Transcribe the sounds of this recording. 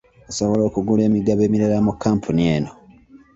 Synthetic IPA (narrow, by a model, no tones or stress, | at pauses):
osoβo̞lo̞ːkuɡule̞ːmiɡaβe̞ːmiɾalamukːaːmpʰunie̞ːno